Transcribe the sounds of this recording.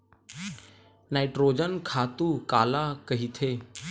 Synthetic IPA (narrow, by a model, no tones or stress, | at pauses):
naːɪʈɾoːd͡ʒənkʰaːt̪ukaːlakɐɦit̪ʰeː